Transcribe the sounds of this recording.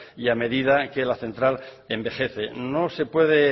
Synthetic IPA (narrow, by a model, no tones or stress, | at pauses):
iame̞ðið̞ake̞laθẽ̞nt̪ɾal | embe̞χe̞θe̞no̞se̞pwe̞ð̞e̞